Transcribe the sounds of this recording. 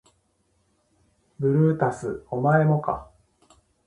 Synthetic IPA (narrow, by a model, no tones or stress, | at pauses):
bɯ̟ɾɯ̟ːt̪asɨomae̞mo̞ka̰